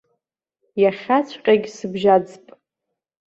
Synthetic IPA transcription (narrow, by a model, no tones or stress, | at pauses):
jaχʲat͡sʷʰʼqʲʼaɡʲsɨbʒad͡zpʼ